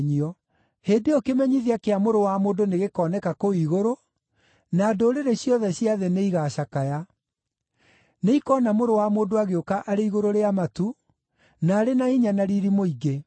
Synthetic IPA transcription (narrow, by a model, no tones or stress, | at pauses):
ɲiɔ | heːdeokemɛɲiðiakeamoɾowamoːndoneɣekɔːnɛkakoiɣoɾo | naːdoːɾeɾeɕjɔðɛɕjaðeneiɣaːɕakaja | neikɔnamoɾowamoːndoaɣeokaʔaɾeiɣoɾoɾeamatu | naːɾenaiɲanaɾiɾimoiɡe